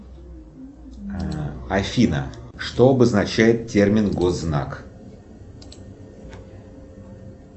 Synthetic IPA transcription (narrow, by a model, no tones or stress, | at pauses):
ɐfʲinə̰ʂt̪oɐbəznɐt͡ɕæjɪt̪tʲermʲɪnɡozːna̰k